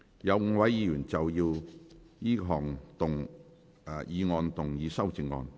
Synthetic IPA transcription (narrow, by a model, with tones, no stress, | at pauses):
jɐ˨˧wŋ̩˧wɐ˨˧jjiː˨˧jyː˨˩nt͡sɐ˨wjiː˧w | jiː˥ɦɔː˨˩ŋt̪ʊ˨ŋː˨˧ | jiː˨˧ŋɔː˧nt̪ʊ˨˩ŋjiː˨˧sɐ˥wt͡sɪ˨˧ŋːɔ̰ː˧n